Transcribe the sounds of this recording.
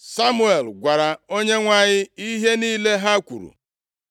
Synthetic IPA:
sa˦mu˦e˨lɡʷa˨ɾa˨o˦ɲe˦ŋʷa˦˨ɲɪ˦i˦ɦe˦niː˦le˦ɦa˦kʷṵ˨ɾṵ˨

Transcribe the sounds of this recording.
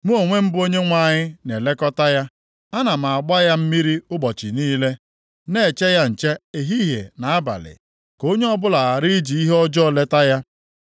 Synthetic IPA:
mu˦o˨ŋʷe˦m̩˦bʊ˦o˦ɲe˦ŋʷa˦˨ɲɪ˦ne˨le˦kɔ˦ta˦ja˦ | a˦na˨m̩˨a˨a˨ɡ͡ba˦ja˦m̩˦mi˦ɾi˦ʊ˦ɡ͡bɔ˨t͡ʃɪ˨niː˦le˦ | ne˦˨t͡ʃe˦ja˦n̩˨t͡ʃe˦e˨ɦi˦ɦḛ˨na˨a˦ba̰˨lɪ̰˨ | ko˦ɲe˦ɔ˦bʊ˦la˨a˨ɾi˦d͡ʒi˨i˦ɦɔ˦d͡ʒɔ˦˨le˦ta˦ja˦

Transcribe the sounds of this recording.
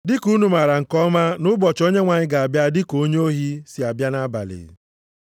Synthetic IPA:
dɪ˦ku˦nu˨ma˨ɾa˨ŋ̩˨kɔ˦ma˦nʊ˦bɔ˨t͡ʃo˦ɲe˦ŋʷa˨ɲɪ˦ɡa˨a˨bja˦dɪ˦ko˦ɲ˦o˦ɦi˦si˨a˨bja˦na˦ba̰˨lɪ̰˨

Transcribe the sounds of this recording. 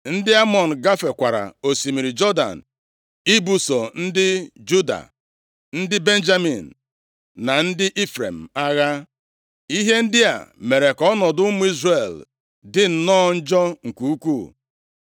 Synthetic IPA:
n̩˦dɪ˦a˦mɔ˨n̩˨ɡa˦fe˨kʷa˨ɾa̰˨o˨si˨mi˨ɾi˨d͡ʒɔ˦da̰˨n̩˨ | i˦bu˨so˨n̩˦dɪ˦d͡ʒu˦da̰˨ | n̩˦dɪ˦be˦n˦d͡ʒa˦mi˨n̩˨ | na˨n̩˦dɪ˦ʔi˦fɾḛ˨m̩˨a˦ɣa˦ | i˦ɦe˦n̩˦dɪ˦a̰˨me˨ɾe˨kɔ˦nɔ˨dʊ˦mʊ˦i˦zre˨l | dɪ˦n̩˨nɔ˦n̩˦d͡ʒɔ˦ŋ̩˨ku˨u˦ku˦˨

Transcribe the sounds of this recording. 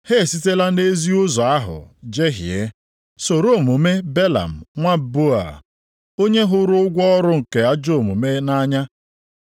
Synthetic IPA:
he˦˨si˦te˦la˦ne˦zi˦ʊ˦zɔ˨a˦ɦʊ̰˨d͡ʒe˦ɦḭ˨ḛ˦ | so˨ɾo˦˨mu˨me˦be˦la̰˨m̩˨ŋʷa˦bo˦a̰˨ | o˦ɲe˦ɦʊ˦ɾʊ˦ʊ˦ɡʷɔ˦ɾʊ˦ŋ̩˨ke˨a˦d͡ʒo˦o˨mu˨me˦na˦ɲa˦

